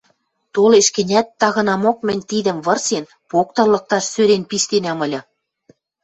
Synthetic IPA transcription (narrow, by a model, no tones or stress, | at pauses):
t̪oleʃkɘ̆nʲæt̪ːɑɣɤ̆nɑmok̚mɘ̆nʲt̪id̪ə̆mβɤ̆rsen | pok̚t̪ɤ̆rlɤ̆k̚t̪ɑʃsøɾenpiʃt̪enæmə̆lʲɤ̆